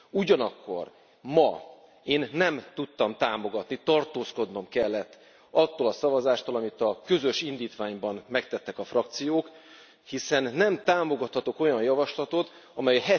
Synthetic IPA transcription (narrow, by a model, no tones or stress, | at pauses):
uɟɒnɒkːo̞̰r | mɒ | eːnːɛmt̪ut̪ːɒmt̪aːmo̞ɡɒt̪nit̪ɒrt̪oːsko̞d̪no̞mkɛlːɛt̪ː | ɒt̪ːoːlɒsɒvɒzaːʃt̪olɒmit̪ɒkø̞zø̞ʃind̪iːt̪ʋaːɲbɒnmɛkt̪ɛt̪ːɛkɒfrɒk̚t̪sijoːk | hisɛnːɛmt̪aːmo̞ɡɒt̪hɒt̪o̞ko̞jɒnjɒvɒʃlɒt̪o̞t̪ | ɒmɛjɦɛ